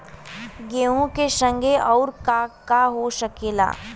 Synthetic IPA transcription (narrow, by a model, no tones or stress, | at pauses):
ɡeːũkeʃə̃ŋɡʱeɔːɾkakaɦoʃɐkeːla̰ː